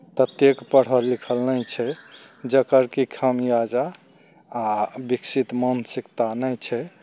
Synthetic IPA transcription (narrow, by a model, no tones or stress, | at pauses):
p̪ət̪jekpəɽ̤əlːikʰəlnəjt͡ʃʰɛd͡ʒəkəɾkikʰəmjad͡ʒaː | biksit̪mənsikt̪anəjt͡ʃʰɛ